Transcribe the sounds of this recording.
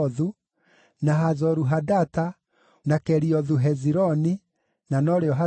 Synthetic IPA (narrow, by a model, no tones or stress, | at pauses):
ðu | naɦazɔɾuɦadata | nakɛɾiɔðuɦɛziɾɔni | nanɔɾeɔɦa